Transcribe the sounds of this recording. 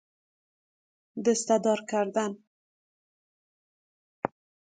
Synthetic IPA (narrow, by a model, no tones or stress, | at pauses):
d̪ʊst̪ad̪ɒɾkaɾd̪an